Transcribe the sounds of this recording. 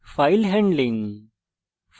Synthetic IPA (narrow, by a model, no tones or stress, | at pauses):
faːɪlɦɛ̃ɳɖlɪ̃ŋ | f